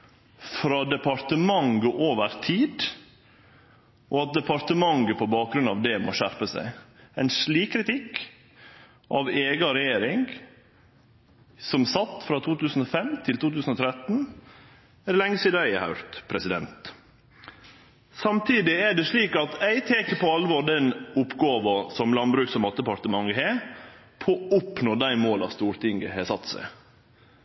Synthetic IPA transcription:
fɾɑd̪ɛpɑɾt̪əmɑŋɡəʔoːʋəɾt̪ʰiːd̪ | ʔoɑt̪̚d̪ɛpɑɾt̪əmɑŋɡəpʰɔbɑːk̚ɡɾʉnɑ̰ʋd̪ɛmo̰ːʃæɾpəsæ̰ɪæɪnʂɭiːkkːɾɪt̪ʰɪk | ʔɑʋeːɡɑɾɛjeːɾɪŋɡ | sɔmsɑt̪ːfɾɑt̪ʰuːt̪ʉːsn̩ɔfɛmt̪ʰɪlt̪ʰuːt̪ʰʉːsn̩ɔt̪ʰɾɛt̪n̩ | æɾlɛŋːəsiːd̪ɑæɪhɑ̰ʉɾt̪pʰɾɛsɪd̪ɛ̰nt̪ | sɑmt̪ʰiːd̪ɪæɖɛʂɭiːkɑt̪æɪt̪ʰeːkəpʰɔɑlʋoːɖ̪ɛnʊpɡɑːʋɑsɔmlɑnbɾʉːksɔmɑt̪d̪əpɑɾt̪əmɑŋəheː | pʰoːʊpnoːd̪æɪmoːlɑ̰st̪uːɾt̪ʰɪŋɡəhɛsɑt̪ːsæ̰ɪ

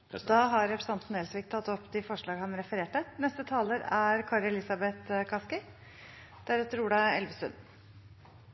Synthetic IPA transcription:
d̪ɑːɦɑɾɾɛpʰɾə̥sɑnt̪n̩ɛlsʋiːɡ̚t̪ʰɑt̪ːɔpːd̪ɪfɔʂɭɑːɡhɑnɾɛfəɾeːʈənɛst̪ət̪ʰɑːləɾæɾkʰɑːɾɛlɪsɑbɛt̪kʰɑskɪ | d̪̥æɾʉːt̪əɾuːɖɑɛlʋəsʉ̰n

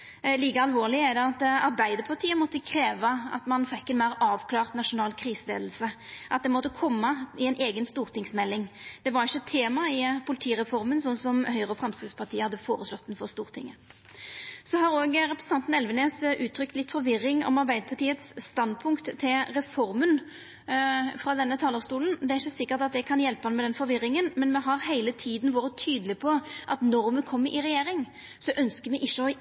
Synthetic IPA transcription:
liːkəɑlʋoːʁlɪəɛd̪ɛɑt̪ɑɾʁbæɪd̪əɾpʰɑʁt̪ʰiːəmɔt̪ːəkʰɾeːʋɑɑ̰t̪mɑnfɛkːɛnmæɪɾɑːʋkʰlɑːʁt̪nɑʂʊnɑːlkʰʁiːsəlḛːd̪l̩səʔɑt̪̚d̪ɛmɔt̪ːəkʰɔmːɑɪɛnʔeːɡənst̪uːʁt̪ɪŋsmɛlːɪŋd̪̥ɛʋɑɾɪçːət̪ʰeːmɑɪpʰʊlɪt̪ʰiːʁɛfɔʁmənsɔnsɔmhœʏʁəɔfʁɑmskɾɪt̪spɑʁt̪ʰiːəhɑd̪ːəfoːʁəslɔt̪ːɛnfɔʁst̪uːʁt̪ʰɪ̰ŋːə | sɔɦɑɾoːɡʁɛpɾəsn̩ɑnt̪n̩ɛlʋəneːsʔʉːt̪ʰɾʏkt̪lɪt̪ːfɔɾʋɪʁːɪŋɔ̰mɑʁbæɪd̪əpʰɑʁt̪iːət̪sːt̪ɑnd̪pʰʊŋkt̪t̪ʰːɪlʁɛfɔɾmən | fʁɑd̪ɛnːət̪ʰɑːləɾst̪uːlən̩d̪ɛæɾʁɪçːəsɪkːəʁt̪ɑt̪̚d̪ɛkʰɑnjɛlpəhɑnmɛd̪ɛnfɔɾʋɪɾɪŋənmɛnmɛɦɑʁhæɪlət̪ʰiːd̪nʋɑːɾət̪ʰyːd̪əlɪpʰɔʔɑt̪nɔʁmɛkʰɔmːəʔɪʁɛjeːɾɪŋ | sɔʔœnskəmɛʔɪçːəɔ

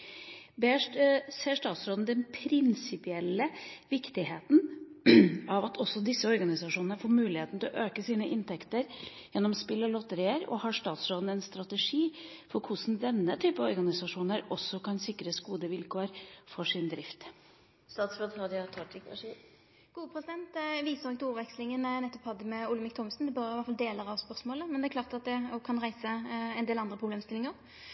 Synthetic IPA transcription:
beːʂseːʂt̪ɑːt̪sɾoːd̪n̩d̪ɛnpʰɾɪnsɪpɪɛlːəʋɪkt̪ɪheːt̪n̩ | ɑʋɑt̪ʰɔsːɔd̪ɪsːəɔɾɡɑnɪsɑʂuːnənəfoːɾmʉːlɪheːt̪nət̪ɪlɔʔøːkəsiːnəʔɪnt̪ʰɛkt̪əɾ | jɛnːɔmspɪlːɔlɔt̪əɾɪːəɾɔ̰hɑʂt̪ɑːt̪sɾoːd̪n̩ɛnst̪ɾɑt̪əʂiː | fɔɾkʰʊsn̩d̪ɛnːət̪ʰyːpəɔɾɡɑnɪsɑʂuːnəɾɔsːɔkʰɑnsɪkɾəsɡuːd̪əʋɪlkʰoːəɾfɔʂɪnd̪ɾɪft̪ | st̪ɑːt̪sɾoːd̪ɾɑːd̪jɑt̪ʰɔʈ̪ɪkɑ̰ʂi | ɡ̥uːəpʰʁɛsɪd̪ɛnt̪ʋiːsəʁɔɡ̚t̪uːʋɛkslɪŋənnɛt̪ːɔphɑd̪əmɛʊləmɪkt̪ʰɔmsn̩d̪ɛbøʋæt̪fɑld̪eːləʁɑʋspœʁsmoːləmɛnd̪ɛæklɑːʁt̪ɑt̪̚d̪ɛɔkʰɑnʁæɪsəɛnd̪eːlɑnd̪ʁəpʰʁʊbleːmst̪ɪlɪŋəɾ

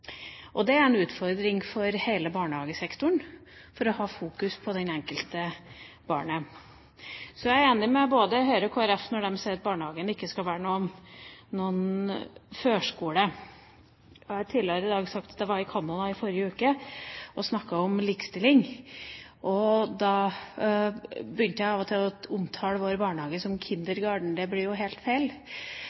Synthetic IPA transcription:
ʔɔd̪ɛæɾɛnʉːt̪fɔɾd̪ɾɪŋfɔɾheɪləbɑːɳəhɑːɡəsɛkt̪ʊɳ | fɔɾɔhɑːfuːkʉspʰɔd̪ɛnɛŋkəlt̪ə | b̥ɑ̰ːɳə | sɔjæɪæɾeːnɪmɛɔboːd̪əɦœʏɾəkʰoːæɾɛfnɔɖɛmseːʉːt̪̚bɑːɳəhɑːɡənɪkːəskɑlʋæːɾənuːɔmnuːən | føːʂkuːɽə | hɑɾt̪ʰɪløɾɪd̪ɑːɡsɑk̚t̪d̪ɛʋɑɾɪkʰɑːnːʊd̪ɑɪfɔɾjəʉːkəʔɔsnɑkːɑɔmliːkst̪ɪlːɪŋ | ʔɔd̪ɑ | bʏnt̪əjæɪɑːʋɔt̪ʰɪlɔʊmt̪ʰɑːləʋoːɾəbɑːɳəhɑːɡəsɔmkʰɪnd̪əɾɡɑːɖɳ̩d̪ɛblɪɾjʊɦeːlt̪feɪl

